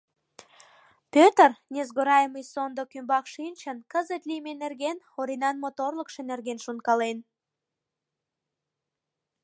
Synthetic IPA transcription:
pʲøt̪ərnʲezɣoɾɑjəməjsond̪okymbɑkʃinʲt͡ɕənkəzət̪lijmenerɣen | oɾinɑnmot̪orləkʃenerɣenʃunkɑlen

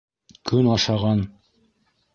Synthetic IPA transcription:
kʰɵnɑʃɑʁɑn

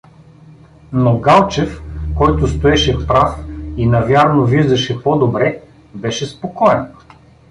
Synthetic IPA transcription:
noɡalˠt͡ʃɛfkɔjt̪ʊst̪oɛʃɛpɾafinɐvʲjaɾnoviʒd̪ɐʃɛpɔd̪obɾɛ | bɛʃɛspokɔɛn

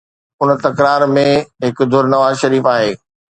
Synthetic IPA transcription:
ʊnt̪ɐkɾaːɾmẽɦɪkd̪ʱʊɾnɐʋaːzʃɐɾiːfaːɦeː

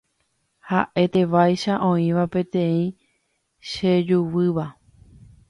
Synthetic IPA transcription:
ha̰ʔe̞t̪e̞ʋajʃaʔõ̞ĩʋapẽ̞t̪ẽ̞ĩ | ʃed͡ʒuwɨʋa

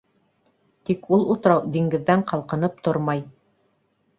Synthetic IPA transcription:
t̪ikulˠut̪̆ɾɑwd̪iŋɡɘ̆ðːæɴqɑlˠqɤ̆nɤp̚t̪oɾmɑj

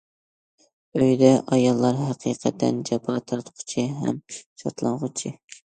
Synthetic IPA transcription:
øjd̪ɛʔɑjɑlˠːɑɾɦæqʰiqʰæt̪ʰːɛ̰nd͡ʒɛpʰːɑt̪ʰɑɾt̪qʰʊ̥t͡ʃʰiɦɛ̰mʃɑ̰ɾt̪lˠɑɴʁʊt͡ʃʰɪ

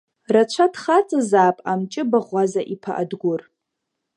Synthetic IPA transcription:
rat͡ʃʷʰadχat͡sʼɨzaːpʼamt͡ʃʼɪbaʁʷazaʔipʰa̰ʔa̰dɡʷʊr

